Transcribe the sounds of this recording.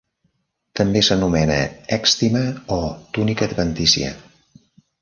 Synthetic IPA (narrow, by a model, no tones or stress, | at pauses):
t̪əmbesənumɛnə̰ɛkst̪iməɔt̪unikəd̪βənt̪isḭə̰